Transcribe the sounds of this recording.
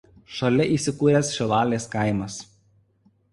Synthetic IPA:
ʃɐlʲɛʔiˑːsʲɪkuːɾʲɛsʃʲɛʋɑːlʲeːskɐɪmɐs

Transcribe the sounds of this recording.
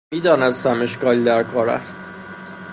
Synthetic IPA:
iːd̪ɒːnæd̪sæme̞ʃkɒːlid̪æɾkʰɒːɾæ̰st̪

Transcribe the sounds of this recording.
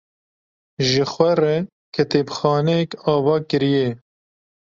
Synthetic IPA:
ʒɪxwɛrɛ | kʰɛt̪eːbxɑːnɛjɛkɑːvɑːkɨɾijɛ

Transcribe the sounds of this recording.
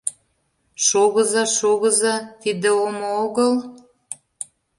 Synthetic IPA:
ʃoɣəzɑʃoɣəzɑt̪id̪ə̆omooɣəl

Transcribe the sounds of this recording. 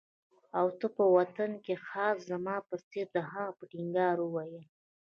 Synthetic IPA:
awt̪əpəwat̪ankexɑːszamɑpəseɾd̪əɦapəʈiŋɡɑɾəwɑje

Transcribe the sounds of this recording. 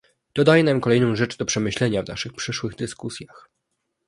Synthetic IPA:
d̪̥ɔd̪ajɛnamkɔlɛjnɔ̃w̃ʐɛt͡ʂd̪ɔpʂɛmɘɕlɛɲavna̰ʂɘxpʂɘʂwɘɣd̪ɘskusʲjax

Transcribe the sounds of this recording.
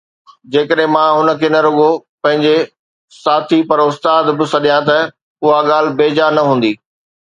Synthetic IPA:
d͡ʑeːkəɗɦɪ̃mãɦʊnə̆kʰeːnɐɾʊɡopɐ̃ɦɪ̃ɲd͡ʑe | saːt̪ʰipɐɾʊst̪aːd̪bɪ̆sɐɗijãt̪ɐ | ʊɦaɠaːl̤ɪ̆beːd͡ʑanɐɦũːn̆d̪iː

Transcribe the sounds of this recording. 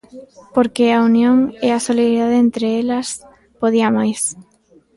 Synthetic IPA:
poɾkeaunjoŋeasoliðɾiðaðeent̪ɾeelɐs | poðiamajs

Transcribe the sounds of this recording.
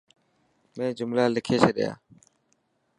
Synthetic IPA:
mẽːd͡ʒʊmlaːlɪkʰeːseːɗɪ̰ja̰ː

